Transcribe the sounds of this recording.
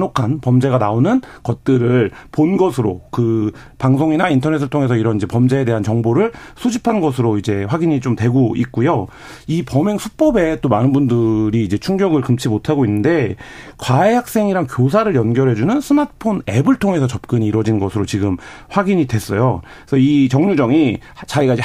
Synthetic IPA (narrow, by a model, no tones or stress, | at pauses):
nokʰanpʌmd͡ʑe̞ɣanaonɯnkʌt̚t͈ɯɾɯɭponɡʌsʰɯɾokɯpaŋsʰoŋinaintʰʌne̞s̬͈ʰɯɭtʰoŋe̞s̬ʰʌiɾʌnid͡ʑe̞pʌmd͡ʑe̞ːde̞ɦant͡ɕʌŋboɾɯɭsʰud͡ʑipʰanɡʌsʰɯɾoid͡ʑe̞ɸwaɡiɲit͡ɕomtwe̞ɡoik̚k͈ujo | ipʌme̞ŋsʰuk̚p͈ʌbe̞t͈omanɯnbundɯɾiːd͡ʑe̞t͡ɕʰuŋɡjʌɡɯɭkɯmt͡ɕʰimotʰaɡoinːɯnde̞kwaeɦak̚s͈e̞ŋiɾankjos̬ʰaɾɯɭjʌnɡjʌɾɦe̞d͡ʑunɯnsʰɯmatʰɯ̥pʰone̞bɯɭtʰoŋe̞sʰʌt͡ɕʌp̚k͈ɯɲiːɾʌd͡ʑinɡʌsʰɯɾot͡ɕiɡɯmɸwaɡiɲidwe̞s͈ʌjo | sʰʌit͡ɕʌŋɲud͡ʑʌŋit͡ɕaiɡaid͡ʑe